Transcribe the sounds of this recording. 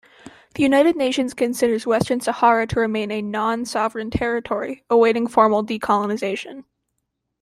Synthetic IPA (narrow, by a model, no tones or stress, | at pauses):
ðɨjʉnaɪɾɨdⁿneɪʃɨ̃nz̥kʰɨ̃nsɪɾə˞zwɛstə̃˞nsəhɑɹɨɾʰəɹɨmẽɪ̃nɨnɑ̃nsɑvɹɨ̃ntʰɛɹɨtʰɔɹiəweɪɾɪ̃ŋfɔɹml̩ˠdikʰɑlˠənɨzeɪʃɨ̃n